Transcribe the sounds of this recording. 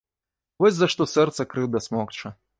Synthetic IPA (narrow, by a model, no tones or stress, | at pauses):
vɔsʲzɐʂt̪ɔsɛrt̪sɐkɾɨwd̪ɐsmɔkt͡ʂɐ